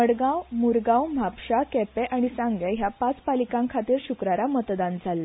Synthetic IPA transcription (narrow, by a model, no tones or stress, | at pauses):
əɽɡawmuɾɡãwm̤apɕakɛpɛʔaɽ̃isãŋɡɛɦjapat͡spalikãŋkʰat̪iːɾɕukɾaɾamət̪d̪and͡zʱalːa